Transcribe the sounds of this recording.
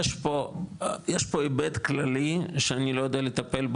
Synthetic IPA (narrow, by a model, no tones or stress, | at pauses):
eʃpojeʃpo̞ebed̪klaliʃeanilo̞jod̪ealet̪ape̞lb